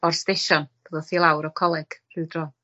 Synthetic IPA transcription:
ɔrsteʃɔnb̥əðɔθilˠawɾɔkʰɔlˠɛɡ̥r̥ɨdrɔ

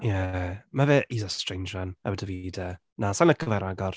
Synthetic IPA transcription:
jɛmavɛːʔizastr̥ejnd͡ʒranɛwədəvidə | nasanəkʰəvɛɾaɡɔr

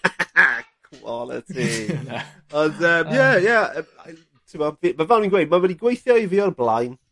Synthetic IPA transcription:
kʰwɔlˠə̰tʰi | ɔndəmjɛjaə | tʰɪmɔvimavɛwninɡwejdmaməniɡwejθjɔiviːɔrblˠa̰jn

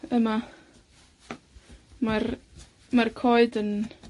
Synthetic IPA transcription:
əma | mar | markʰoɨdən

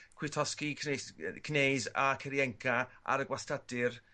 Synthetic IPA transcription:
kʰwɪtʰɔskikʰkʰnejzakʰɛɾjɛŋkʰaa̰ɾəɡwastʰadɪr

